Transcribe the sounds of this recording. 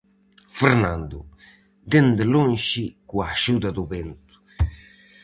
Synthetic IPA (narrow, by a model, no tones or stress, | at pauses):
fɛɾnand̪u | d̪end̪lonʃikuaʃud̪ad̪uβent̪u̥